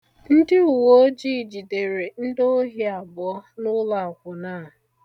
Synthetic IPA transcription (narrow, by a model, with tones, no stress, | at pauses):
n̩˦dɪ˦u˨wo˦d͡ʒi˦˨d͡ʒi˨de˨ɾe˨n̩˦do˦ɦi˦a˨bɔ˦nʊ˦la˨kʷʊ˨naː˦˨